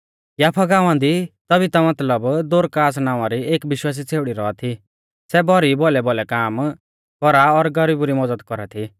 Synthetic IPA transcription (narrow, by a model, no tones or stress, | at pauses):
jaːpʰaɡãːʊ̃ãnd̪it̪ɐbit̪amɐt̪ləbd̪oːɾkaːs̬naːʋãɾieːkbɪʃwaːs̬it͡sʰeːʋɽiɾɔat̪ʰi | sɛbʱɔɾibɔlɛbɔlɛkaːm | kɔɾaɔɾɡɐɾiːbɾimɔd͡zəd̪kɔɾat̪ʰi